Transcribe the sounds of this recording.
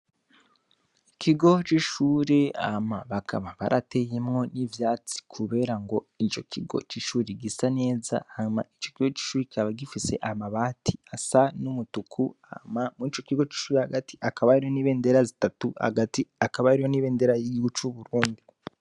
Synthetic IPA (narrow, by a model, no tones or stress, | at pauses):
ikʰiɡo̞t͡ʃiʃuːɾe̞a̰maβakʰa̰βaβaɾate̞jemŋo̞nivjaːt͡si̥kʰuβe̞ɾaŋɡo̞it͡ʃo̞kʰiɡo̞̰t͡ʃiʃuːɾeɡisane̞ːza̰haɲuma̰it͡ʃo̞̥kiɡot͡ʃi̥ʃuːɾecaβaɡifise̞̰ʔamaβaːtʰiasanumutukʰuamamuit͡ʃokiɡo̞t͡ʃi̥ʃuːɾehaɡati̥ʔakaβaiɾihoniːβe̞ːnde̞ɾazitatuha̰ɡatiakaβaiɾihoniːβeːnde̞ɾajiɟiɡut͡ʃuβuɾuːndi